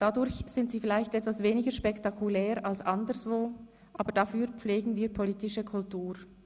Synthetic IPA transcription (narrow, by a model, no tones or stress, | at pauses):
d̥adʊɾçz̥ɪntsiːfɪlaɪçtʔɛtvasveːnɪɡəʃpɛktakʰulɛːɾalsʔandəɾsv̥oː | ʔaːbəd̥afyːɾp͡fleːɡn̩viːpʰoliːtɪʃəkʰʊltuːʁ